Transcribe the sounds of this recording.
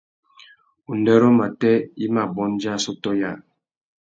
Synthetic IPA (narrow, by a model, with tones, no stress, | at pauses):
u˨ndɛ˦ɾɔ˦ma˨tɛ˦i˦ma˨bɔ˨˦nd͡ʒa˦˨sɔ˦tɔ˦ja˦˨